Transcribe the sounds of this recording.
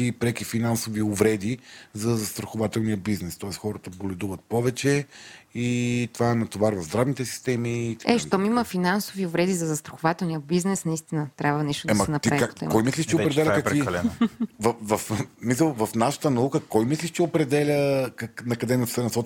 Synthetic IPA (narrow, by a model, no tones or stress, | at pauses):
ipɾɛkifinansoviovɾɛd̪izɐzɐst̪ɾɐxovat̪ɛlˠnijəbiznɛst̪ɔɛst̪xɔɾət̪əbolʲɛd̪uvət̪̚pɔvɛt͡ʃɛit̪ovaɛnɐt̪ovaɾvɐvzd̪ɾavnit̪ɛsi̥st̪ɛmit̪ɛʃt̪ɔmiməfinansoviʊvɾɛd̪izɐzɐst̪ɾɐxovat̪ɛlˠnijəbiznɛsnɐist̪inət̪ɾʲʔabvɐniʃt̪ʊd̪ɛmɐɛnɐp̪aat̪kɔjmislʲiʃt̪ɛopɾɛd̪ɛlʲəkɐkilɛvɐvɐfmis̬ləlˠvɐfnaʃə̥t̪ənɐukəkɔjmisliʃt̪ɛopɾɛd̪ɛlʲəkknɐkɐd̪ɛnɐfsɛnsɔt͡ʃ